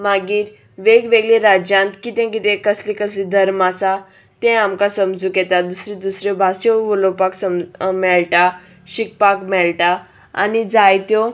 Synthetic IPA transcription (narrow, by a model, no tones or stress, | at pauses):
maɡiːɾ | ʋeɡʋeɡlĩɾad͡ʑjãnt̪kit̪ɛ̃kit̪ẽkəslĩkəslid̪ʱəɾmasa | t̪ɛ̃amkasəmd͡zukjɛt̪ad̪usɾĩd̪usɾjɔbʱasɔʋəlopaksəmmɛɭʈa | ɕik̚pakmɛɭʈa | a̰nid͡zajt̪jɔ